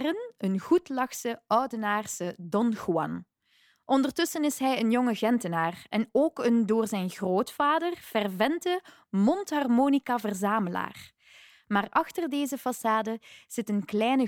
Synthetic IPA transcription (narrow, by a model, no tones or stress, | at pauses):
rənənɣutlɑxsəœwdənaːrsədɔnxuɑ̰n | ʔɔndərtɵsənɪsɦɛjənjɔŋəɣɛntənaːrɛnoːkəndoːrzɛjnɣroːtfaːdərv̥ɛrvɛntə | mɔntɦɑrmoːnikavərzaːməla̰ːr | maːrʔɑxtərdeːzəfɑsaːdəz̥ɪtənklɛjnə